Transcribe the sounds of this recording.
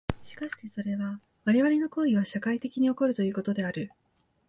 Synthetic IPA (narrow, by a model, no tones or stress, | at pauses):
ɕi̥kaɕi̥t̪e̞so̞ɾe̞βa | βaɾe̞βaɾʲe̞no̞ko̞ːiβ̞aɕakait̪e̞kʲiɲ̟io̞ko̞ɾɯ̟t̪o̞jɯːko̞t̪o̞d̪e̞aɾɯ̟